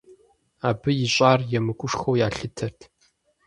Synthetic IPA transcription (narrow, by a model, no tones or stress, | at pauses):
aːbɨjɪɕʼaːrjɛmɨkʷʼʊʂxowjaːɬɨtʰɐrtʰ